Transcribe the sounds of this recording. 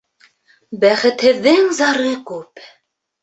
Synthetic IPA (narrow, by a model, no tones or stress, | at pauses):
bæχɘ̆t̪hɘ̆ðːɘŋzɑɾɤkʉp